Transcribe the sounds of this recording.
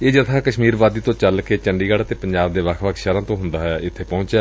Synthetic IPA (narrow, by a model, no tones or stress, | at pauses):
eːd͡ʒət̪ʰãːkəʃmiːɾʋaːd̪iːt̪õːt͡ʃəlkeːt͡ʃəɳɖiːɡəɽət̪eːpə̃ɲd͡ʒaːbd̪eːʋəkʰʋəkʰʃəɾãːt̪õːɦʊnd̪aːɦɛːɪt̪ʰːeːpɔ̃ːt͡ʃɛː